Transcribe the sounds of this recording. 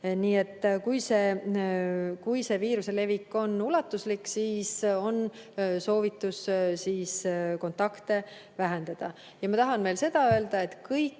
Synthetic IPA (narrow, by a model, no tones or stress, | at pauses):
niːe̞t̪ːˑkujse̞ | kujse̞viːɾuse̞le̞vikːˑo̞nulɑt̪ːˑusliksiːso̞nso̞ːvit̪ːˑussiːsko̞nt̪ːˑɑkt̪e̞ | væɦe̞nd̪̥ɑd̪̥ɑ | jɑmɑt̪ɑɦɑnme̞lse̞d̪̥ɑø̞eld̪ɑe̞t̪kɤjkː